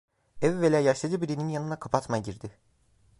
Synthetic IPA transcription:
ɛvvelʲaːjaʃlˠad͡ʒɯbiɾininjanɯnakʰapʰat̪maɟiɾd̪ɪ

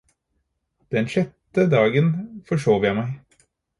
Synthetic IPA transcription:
d̪̥ɛnʃɛt̪ːəd̪ɑːɡənfɔʂoːʋjæɪmæɪ

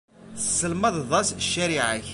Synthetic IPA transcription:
θəsːəlmɑðˤðˤɑsʃːæɾiʕaç

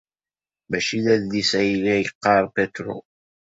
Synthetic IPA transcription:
mæʃiðæðlisæjlːæjəqːɑɾˤpæt̪ɾo̰

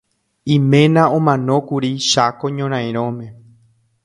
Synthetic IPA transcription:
ĩmẽ̞nãõmãnõ̞kuɾiʃakoɲõɾ̃ãj̃ɾ̃õmẽ̞

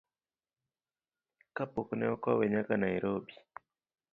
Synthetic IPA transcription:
kapɔkunɛɔkwawɛɲakanajiɾʔobi

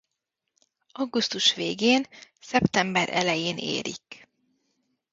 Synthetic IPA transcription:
ɒɡust̪uʃʋeːɡeːnsɛpt̪ɛmbɛɾɛ̰lɛjeːnḛːɾḭk

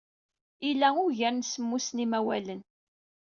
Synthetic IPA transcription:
ilːæʊɾʝəɾnsəmːusnimæwælən

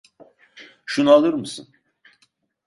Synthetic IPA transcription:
ʃunualˠɯɾmɯsɯn

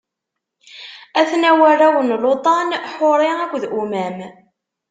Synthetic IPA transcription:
æθnæwæɾæwənlot̪ˤɑnħoɾˤɪækʷðʔumæm

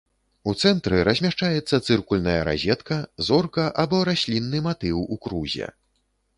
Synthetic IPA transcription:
ut̪sɛnt̪ɾɨɾɐzʲmʲaʂt͡ʂajɛt̪sːɐt̪sɨrkulʲnɐjɐɾa̰zʲɛt̪kɐzɔrkɐʔabɔɾasʲlʲinːɨmat̪ɨwukɾuzʲɛ̰

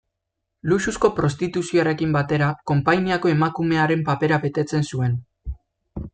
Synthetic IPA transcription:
lususko̞pɾo̞st̪it̪usio̞aɾe̞kimbat̪e̞ɾako̞mpajniako̞e̞makume̞aɾe̞mpape̞ɾaβe̞t̪e̞t͡se̞nsue̞n

